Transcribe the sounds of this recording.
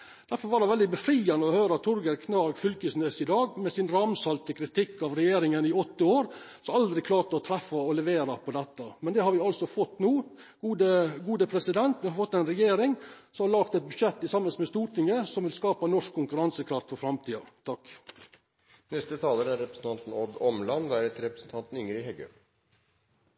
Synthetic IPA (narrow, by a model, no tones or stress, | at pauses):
d̪̥æɾfɔɾʋɑɾɑʋɛld̪ɪbəfɾiːɑnəɔhøːɾɑt̪ʰʊɾɡəɾkʰnɑɾɡfʏlkəsnøːsɪd̪ɑːɡmɛsɪnɾɑmsɑlt̪əkʰɾɪt̪ʰɪkːɑʋɾɛjeːɾɪŋənɪɔt̪ːəoːɾ | sɔmɑld̪ɾɪkʰlɑːɾʈəɔt̪ʰɾɛfːɑɔlɛʋeːɾɑpʰɔd̪ɛt̪ːɑmɛnd̪ɛhɑɾʋɪɑlsɔfɔt̪ːnuː | ɡ̥uːd̪əɡuːd̪əpʰɾɛsɪd̪ɛnt̪ʋɪhɑɾfɔt̪ːɛɪnɾɛjeːɾɪŋsɔmhɑɾlɑɡt̪ɛt̪̚bʉʂɛt̪ːɪsɑmːənsmɛst̪uːɾʈ̪ʰɪŋːəsɔmʋɪlskɑːpɑnɔʂkʰːʊŋkʉɾɑnsəkʰɾɑft̪fɔɾfɾɑmt̪ʰiːɑt̪ʰɑkː | nɛst̪ət̪ʰɑːləɾæɾɾɛpɾəsn̩t̪ɑnt̪n̩ɔd̪ɔmlɑnd̪æɾɛt̪ɾɛpɾəsn̩t̪ʰɑnt̪n̩ʏŋəɾɪɦɛɡø̰